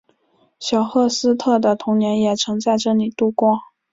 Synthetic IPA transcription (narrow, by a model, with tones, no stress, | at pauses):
ɕjɑ˨˩ʊxɤ˥˩sɹ̩˥t̪ʰɤ˥˩d̪ə˩t̪ʰʊ˧˥ŋnjɛ˧˥njɛ˨˩ʈ͡ʂʰɤ˧˥ŋt͡sa˥˧ɪʈ͡ʂɤ˥˩li˨˩t̪u˥˩kwɑ˥ŋ